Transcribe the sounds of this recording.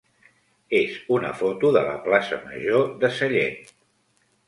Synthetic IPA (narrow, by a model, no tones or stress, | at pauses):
ezunə̰fot̪uðələ̰plasə̰məʒoðəsəʎet̪